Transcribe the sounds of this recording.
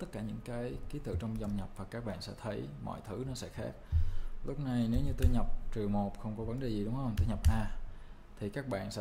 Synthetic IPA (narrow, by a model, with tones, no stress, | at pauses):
t̪ə˦˥t̚kːaː˧˩ɲɨ̰˧˥ŋkaː˨˦jki˨˦t̪ɨ̰˧˨t͡ɕɔ˧wŋ͡mza˧wŋ͡mɲə˨˩p̚vaː˨˩kaː˦˥k̚ɓa̰ː˧˨nsɛ̰˧˥t̪ʰə˨˦jmɔ̰˧˨jt̪ʰɨ˨˦nɔ˨˦sɛ̰˧˥xaː˦˥k̚lʊ˦˥k͡p̚na˧jne˨˦wɲɨ˧t̪o˧jɲə˨˩p̚t͡ɕɨ˨˩əmo˨˩t̚xə˧wŋ͡mkɔ˨˦və˨˦nɗe˨˩zi˨˩ɗʊ˨˦wŋ͡mxə˧ŋ͡mt̪o˧jɲa˨˩p̚ʔaː˧ | t̪ʰi˨˩kaː˦˥k̚ɓa̰ː˧˨nsɛ̰˧